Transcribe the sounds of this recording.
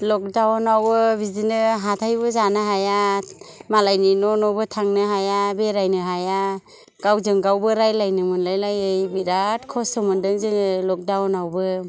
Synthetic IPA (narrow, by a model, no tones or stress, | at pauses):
lɔk̚dawnawbɯbizinɯɦatʰajbɯzanɯɦaja | malajninɔnɔbɯtʰaŋnɯɦajabeɾajnɯɦaja | ɡ̥awzɯŋɡawbɯɾajlajnɯmɯnlajlajɯjbiɾat̚kʰɔsɯmɯndɯŋzɯŋlɔk̚dawnawbɯ